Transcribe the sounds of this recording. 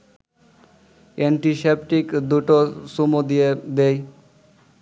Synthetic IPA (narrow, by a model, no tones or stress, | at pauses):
eɳʈisepʈikd̪uʈosumud̪ied̪ej